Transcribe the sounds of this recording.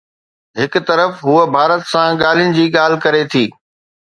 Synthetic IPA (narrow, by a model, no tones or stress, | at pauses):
ɦɪkʊ̆t̪ɐɾəfɦuəbʱaːɾət̪sãɠaːl̤ijʊnɪ̆d͡ʑiːɠaːl̤ɪkɐɾet̪ʰiː